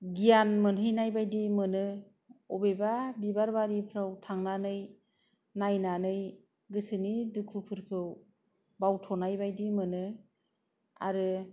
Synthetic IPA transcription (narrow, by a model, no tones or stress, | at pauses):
ɡijanmɯnɦɯjnajbajdimɯnɯ | ɔbejbabibaɾbaɾipʰɾawtʰaŋnanɯj | najnanɯj | ɡɯsɯnidukʰupʰɯɾkʰɯw | bawtʰɔnajbajdimɯnɯ | a̰ɾɯ